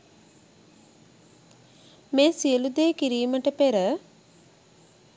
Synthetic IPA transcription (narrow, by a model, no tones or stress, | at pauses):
meːsiəlud̪eːkiɾiːməʈəpeɾə